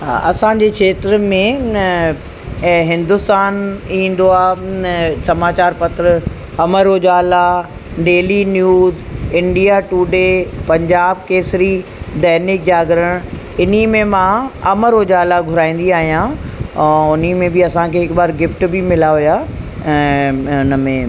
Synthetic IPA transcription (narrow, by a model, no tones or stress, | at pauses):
ɦa̰ːʔɐsãɲd͡ʑeːkʰeːt̪ɾəmẽ | ɦɪ̃nd̪ʊst̪aːnĩːn̆d̪oaː | sɐmaːt͡ɕaːɾpɐt̪ɾə | ɐməɾoːd͡ʑaːla | ɖeːlinjuːzɪ̃ɳɖijaʈuːɖepɐ̃ɲd͡ʑaːb̚keːsɪɾid̪ɛːnɪk̚d͡ʑaːɡɾəɽ̃ | ɪnimẽmãːɐməɾoːd͡ʑaːlaɡʱʊɾaːĩːn̆d̪iaːɦijã | ʊnimẽbiɐsãkʰeːɪkɓaːɾɡɪfʈbimɪlaɦujãː | ʊnəmẽ